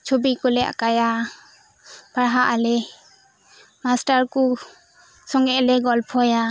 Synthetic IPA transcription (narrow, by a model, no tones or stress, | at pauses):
t͡ʃʰobikɔlɛa̰kaja | paɽɦaʔalɛ | masʈaɾku | sɔŋɡɛlɛɡɔlpʰɔja